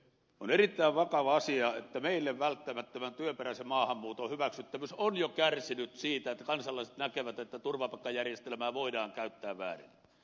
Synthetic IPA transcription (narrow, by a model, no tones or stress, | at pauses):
onerit̪ːæˑiʋʋɑkɑʋɑɑsiɑḛt̪ːæmeˑilːeʋʋælt̪ːæmæt̪ːømænt̪yøperæsemmɑːhɑmːuːt̪ohyʋæksyt̪ːæmysonjokærsinyt̪siːt̪æet̪ːækɑnsɑlːˑɑˑise̥t̪nækeʋæt̪et̪ːæt̪urʋɑpɑˑkːɑjærjest̪elmæːʋoˑidɑːŋkæˑyt̪ːæːʋʋæ̰ːrḭnːæ